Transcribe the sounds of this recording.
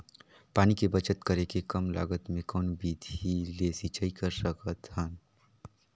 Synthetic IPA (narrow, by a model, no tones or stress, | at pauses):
paːnikebət͡ʃət̪kəɾekekəmla̰ːɡət̪mẽkɔːnbiːd̪ʱileːsit͡ʃəikəɾsəkət̪hən